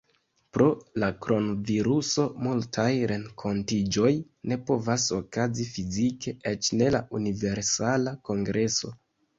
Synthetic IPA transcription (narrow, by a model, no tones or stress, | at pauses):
pɾo̞lakɾo̞nviɾuso̞multʰajɾe̞ŋkʰo̞ntid͡ʒo̞j | ne̞po̞vaso̞kazifizikʰe̞ʔet͡ʃne̞laʔunive̞ɾsalako̞ŋɡɾʔe̞so̞̰